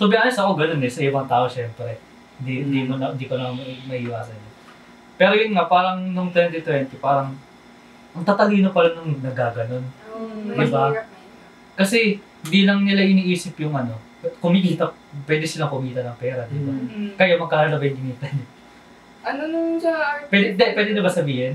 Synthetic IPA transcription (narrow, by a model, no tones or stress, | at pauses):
t̪ʊbɪʔaːnɐsɐkoɡɐnonɛsɐʔɪbɐŋt̪aːʔoʃɛmpɾɛ | hɪnd̪iɪnd̪iːmonɐɪnd̪iːkonɐmɐʔiːwaːsɐnːo | pɛːɾojʊnŋapaːɾɐŋnʊŋt̪wɛnt̪ɪt̪wɛnt̪ɪpaːɾɐŋ | ʔɐŋt̪at̪ɐliːnopɐlɐnʊŋnɐɡaːɡɐno̞nd̪ɪba | kɐsɛhɪnd̪ilɐŋnɪlaʔɪniːʔiːsɪpjʊŋʔɐno̞ | kʊmɪʔiːt̪ɐ | pːwɛːd̪ɪʃanɐkʊmiːt̪ɐnɐŋpɛːɾɐd̪it̪okɐjamɐɡ̚kɐɾalɐbɛjŋɡɪŋiːt̪ɐn | ʔɐnonʊd͡ʒapwɛd̪ɛd̪ɛpwɛːd̪ɪnɐbasɐbiːhɪn